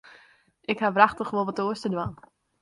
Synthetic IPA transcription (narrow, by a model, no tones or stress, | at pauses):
ʔɪkhaʋraχtəχʋolˠʋɔtoəstədwan